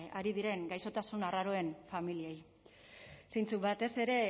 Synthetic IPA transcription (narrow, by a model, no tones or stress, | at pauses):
aɾið̞iɾe̞ŋɡajso̞t̪asunaraɾo̞e̞nfamiliej | sejnt͡suβat̪e̞se̞ɾe̞